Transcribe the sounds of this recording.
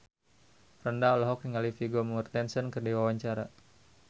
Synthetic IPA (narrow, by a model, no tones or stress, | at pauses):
frəndaɔlɔɦɔk̚niŋalifiɡomurt̪ɛnsənkərdiwawaɲt͡ʃaɾa